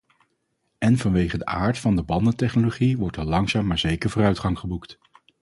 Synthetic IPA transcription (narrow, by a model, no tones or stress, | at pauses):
ɛnvɑnʋejχədəʔaːɹtfɑndəbɑndətɛχnoloχiʋɔɹtɛɹlɑŋzaːmːaːɹzejkəɹvʊːrœɥtχɑŋχəbukt